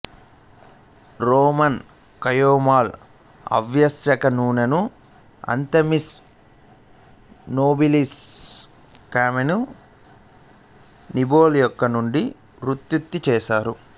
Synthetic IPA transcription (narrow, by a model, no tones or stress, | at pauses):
ɾoːmɐn | kɐjoːmaːl | ɐ̰ʋjɐsjɐkɐnuːnɐnu | ɐ̰nt̪ɐmis | noːbilis | kaːmenu | niboːljɔkːɐnuɳɖi | ɾut̪jut̪ːit͡ʃɛːsaːɾu